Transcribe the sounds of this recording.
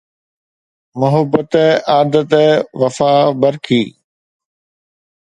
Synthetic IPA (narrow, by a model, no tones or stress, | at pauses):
mʊɦəbət̪aːd̪ət̪ʋɐfaːbɐɾkʰiː